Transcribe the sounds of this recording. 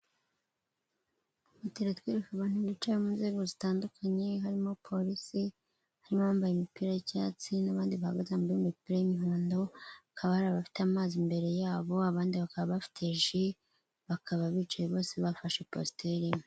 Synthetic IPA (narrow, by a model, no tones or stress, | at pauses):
βutiɾatwiːɾekaβaːn̥huβit͡ʃajemunze̞ːɡo̞zitaːndukʰaɲe̞ɦaɾimo̞pʰo̞ɾisi | haɾimoβambajimipiɾajicaːt͡sinaβaːndiβahaɡazeambaimipiːɾajimiɦoːndo̞akʰaβahaɾaβafi̥tamaːzimbe̞ɾe̞jaːβo̞aβaːndiβakaβaβafi̥tʰeʒi | βakʰaβaβit͡ʃojeβo̞ːse̞βafaʃepo̰stʰeɾi